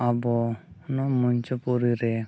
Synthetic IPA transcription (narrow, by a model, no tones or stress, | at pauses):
abɔnɔmuɲt͡ʃɔpɔɾiɾɛ